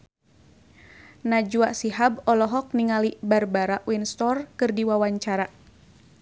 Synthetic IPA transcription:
nad͡ʒuaʔsiɦabɔlɔɦɔk̚niŋalibarbaɾaʔwinst̪ɔrkɨrdiwawaɲt͡ʃaɾa

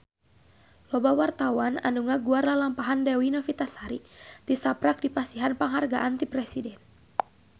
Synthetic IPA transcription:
lɔbawart̪awana̰nduŋaɡuarnalampaɦandɛwinɔfit̪asaɾit̪isapɾak̚dipasiɦanpaŋɦarɡa̰ʔant̪ipɾɛsidɛn

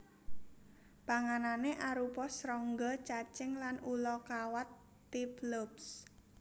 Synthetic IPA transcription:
b̥a̤ŋananeʔaɾupɔsɾɔŋɡɔt͡ʃat͡ʃɪŋlanʔulɔkawat̪ː | iplops

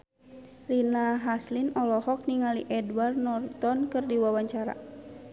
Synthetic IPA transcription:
rinaɦaslinɔlɔhɔk̚niŋaliʔɛdwarnɔrt̪ɔnkɨrdiwawaɲt͡ʃaɾa̰

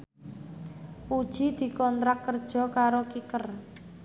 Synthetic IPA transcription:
pud̥ʒ̥i̤d̪̥i̤kɔnt̪ɾakːərd̥ʒ̥ɔ̤kaɾokikər

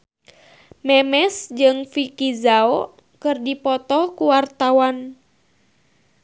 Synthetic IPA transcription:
mɛmɛsd͡ʒɨŋfikizaɔ | kɨrdipɔt̪ɔkuwart̪awan

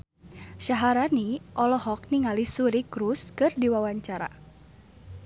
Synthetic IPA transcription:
ʃaɦaɾaniʔɔlɔhɔk̚niŋalisuɾikɾuskɨrdiwawaɲt͡ʃaɾa̰

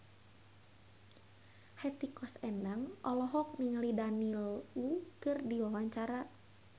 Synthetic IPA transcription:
hɛt̪ikɔsɛndaŋʔɔlɔɦɔk̚miŋlidanilukɨrdiwawaɲt͡ʃaɾa

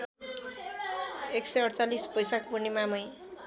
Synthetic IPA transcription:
eksʌjʌɽt͡salispʌjsakbunimamʌj

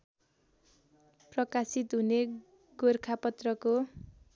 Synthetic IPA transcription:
prʌkasit̪ɦune | ɡorkʰapʌt̪rʌko

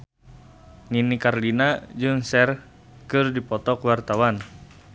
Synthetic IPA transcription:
ŋinikarlinad͡ʒɨŋsɛr | kɨrdipɔt̪ɔkwart̪awan

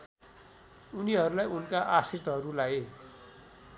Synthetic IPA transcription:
uniɦʌɾulajunkaʔasirt̪ʌɦʌɾulaj

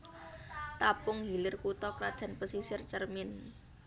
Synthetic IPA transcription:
t̪apʊŋɦilɪrkut̪ɔkɾad̥ʒ̥ä̤npəsisɪrt͡ʃərmɪn

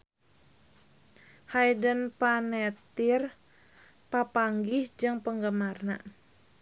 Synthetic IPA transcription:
hajdənpanɛt̪ir | papaŋɡihd͡ʒɨŋpəŋɡəmarna̰

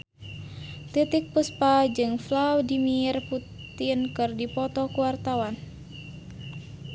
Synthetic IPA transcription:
t̪it̪ik̚puspad͡ʒɨŋflawdimirpu | t̪inkɨrdipɔt̪ɔkuwart̪awan

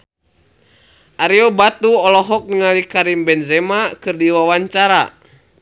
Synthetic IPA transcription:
ʔaɾiɔbat̪uɔlɔɦɔk̚niŋalikaɾimbɛnzɛmakɨrdiwawaɲt͡ʃaɾa

